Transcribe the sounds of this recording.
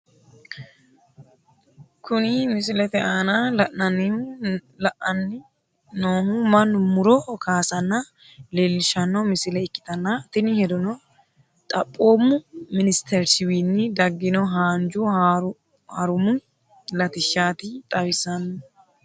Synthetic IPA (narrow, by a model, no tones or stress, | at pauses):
kʰʊnɪmɪsɪlɛt̪ɛʔaːnalɐʔnɐnːɪ | lɐʔɐnːɪ | noːhʊmɐnːʊmʊɾɔkʰaːsɐnːɐ | leːlːɪʃɐnːɔmɪsɪlɛɪkːɪ̥t̪ɐnːat̪ɪnɪhɛd̪ɔnɔ | t̪ʼɐpʼːoːmːʊmɪnɪst̪ʰɛɾsɪwiːnːɪd̪ɐɡːɪnɔɦaːnd͡ʒʊ | hɐɾʊmʊ | lɐt̪ɪʃːaːt̪ɪt̪ʼɐwɪsɐnː